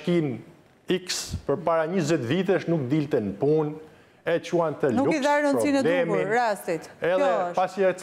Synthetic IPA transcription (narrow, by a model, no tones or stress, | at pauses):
kin | ikspəɾpaɾaɲəzɛt̪vit̪ɛʃnukd̪ilt̪ɛnpun | ɛt͡ʃuant̪əlnuukiðaɾnənpɾɔsinədlɛmiɾasit̪ɛðɛʃpasiɛ